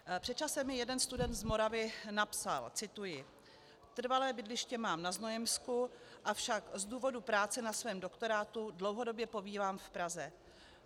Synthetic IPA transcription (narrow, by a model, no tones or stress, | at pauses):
pr̝̥ɛtt͡ʃasɛmːɪjɛdɛnst̪udɛnt̪zmo̞ɾavɪnapsa̰lt͡sɪt̪ujɪ | t̪r̩valɛːbɪdlɪʃcɛmaːmnaznojɛmskuʔafʃakzduːvo̞dupɾaːt͡sɛnasvɛːmdokt̪o̞ɾaːt̪udlo̞wɦo̞do̞bjɛpo̞viːvaːmfpɾazɛ